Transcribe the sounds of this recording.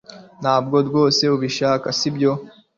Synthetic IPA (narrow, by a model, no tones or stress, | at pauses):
nhaːb̚ɡo̞tɡwo̞ːse̞uβiʃaːkasibjo̞